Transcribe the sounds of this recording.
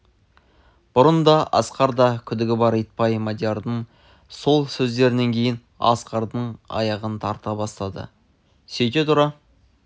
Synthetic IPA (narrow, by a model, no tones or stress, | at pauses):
b̥ʊɾənd̪ɑʔɑsqɑɾd̪ɑkʲʰʏd̪ɪɡʲɪbɑɾɑjt̪̚pɑjmɑd̪jaɾd̪ən | so̞lˠsɵzd̪e̞ɾɪne̞ŋkʲʰe̞jɪn | ɑ̰sqɑɾd̪əɴɑ̰jɑʁənt̪ʰɑɾt̪ɑbɑst̪ɑd̪ə̰ | sejt̪et̪ʰʊɾɑ